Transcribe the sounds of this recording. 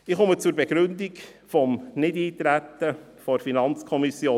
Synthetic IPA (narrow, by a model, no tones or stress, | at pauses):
ɪχomət͡sʊɾbɛɡ̥ɾʉndik | fɔmnɪdiːt̪ɾæt̪ə | fɔɾfinɑnt͡skʰɔmisjoː